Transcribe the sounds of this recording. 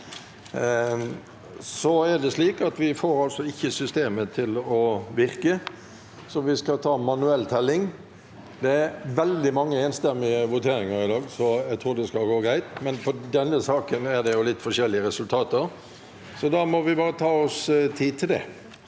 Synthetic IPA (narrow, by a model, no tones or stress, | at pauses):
sɔæd̪ɛsliːkɑt̪ʋɪfoːɾɑlsɔɪçːəsʏst̪eːmət̪ʰɪlɔʋɪʁkə | sɔʋɪskɑt̪ʰɑːmɑnʉɛlːt̪ʰɛlːɪŋ | d̪ɛæɾʋɛld̪ɪmɑŋːəeːnst̪ɛmːɪəʋʊt̪ʰeːɾɪŋəɾɪd̪ɑːɡsɔæɡt̪ʰɾuːd̪ɛskɑlɡoːɡɾæɪt̪mɛnfɔd̪ɛnːəsɑːkənæd̪ɛjʊlɪt̪ːfɔʂɛlːɪəɾɛsʉlt̪ʰɑːt̪əɾ | sɔd̪ɑmɔʋɪbɑːɾət̪ʰɑːɔst̪ʰiːd̪̚t̪ʰɪld̪ɛ̰